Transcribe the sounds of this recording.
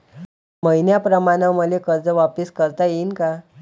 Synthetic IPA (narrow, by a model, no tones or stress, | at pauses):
məjnjapɾəmaɽ̃əməlekəɾd͡zəʋapiskəɾt̪ajinka